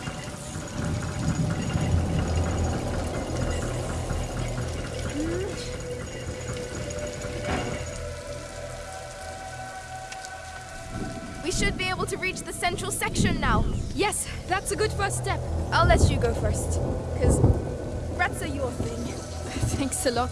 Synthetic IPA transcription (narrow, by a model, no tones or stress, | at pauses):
wiʃɨd̚bieɪbəl̩ˠtʰɨɹit͡ʃðəsɛ̃nt͡ʃɹ̥əlˠsɛkʃɨ̃nːaʊjɛsðætsəɡʊd̥fɜ˞sstɛpaɪlɛtɨɡoʊfɜ˞stkʰʌz | ɹætsəjɔθɪ̃ŋ | θæ̃ŋksəlɔt